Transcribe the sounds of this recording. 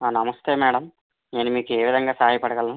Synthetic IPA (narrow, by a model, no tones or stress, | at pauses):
aːnɐmɐst̪eːmɛːɽɐm | neːnumiːkueːʋid̪ʱɐŋɡaːsɐɦaːjɐpɐɽɐɡɐlnu